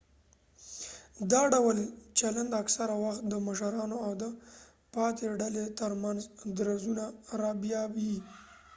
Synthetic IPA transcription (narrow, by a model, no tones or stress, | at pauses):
d̪ɑɖawəlt͡ʃaland̪aksaɾawaxt̪̚d̪əmaʃaɾɑnoawd̪ə | pɑt̪eɖalet̪əɾmanzd̪ɾazunaɾɑbjɑbi